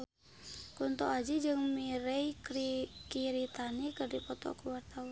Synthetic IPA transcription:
kunt̪ɔad͡ʒid͡ʒɨŋmiɾɛikɾikiɾit̪anikɨrdipɔt̪ɔ̰kuwart̪aa

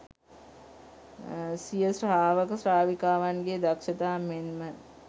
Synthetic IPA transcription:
sijəsraːʋəkəsraːʋikaːʋanɡed̪akʃət̪aːmenmə

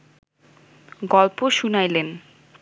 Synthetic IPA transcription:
ɡɔlpoʃunajlen

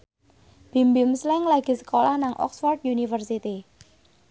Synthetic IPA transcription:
b̥i̤mbimslɪŋlaɡ̥i̤sə̥kolahnaŋʔɔ̰ksfɔrt̪junifərsit̪i

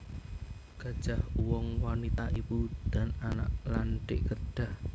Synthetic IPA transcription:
ɡ̥ä̤d̥ʒ̥a̤huwɔŋwanit̪aʔipud̪̥a̤nana̰ʔlanɖɪʔkəɖ̥a̤h

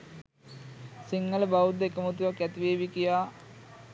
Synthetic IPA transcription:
siŋːɐləbawud̪ekəmut̪uʋɐkːɛt̪iʋeːbikijaː

